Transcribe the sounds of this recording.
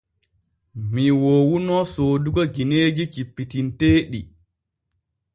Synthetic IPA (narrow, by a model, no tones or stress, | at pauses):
miwoːwunɔsoːduɡɔɡineːd͡ʒikipːitinteːɗi